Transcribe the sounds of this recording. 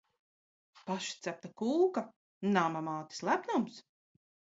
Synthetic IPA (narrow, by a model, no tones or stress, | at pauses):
paʃi̥t̪sʲæp̚t̪akuːka | namamaːt̪i̥slˠæpnɔms